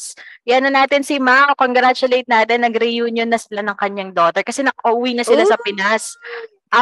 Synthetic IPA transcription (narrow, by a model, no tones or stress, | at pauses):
jɛɐnɐnaːt̪ɪnsɪmamkoŋɡɾat͡ʃʊlejt̪̚naːt̪ɪnːɐɡɾɪjuɲjonːɐsɪlanɐŋkɐɲːaŋd̪o̞ːt̪ɛɹkɐsɛnɐkʔɐʔuwinɐsɪlasɐpɪnas | ʔɐ